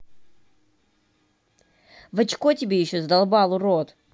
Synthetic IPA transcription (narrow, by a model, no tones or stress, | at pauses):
vɐt͡ɕkotʲɪbʲejɪɕːozd̪alˠbalˠʊɾot̪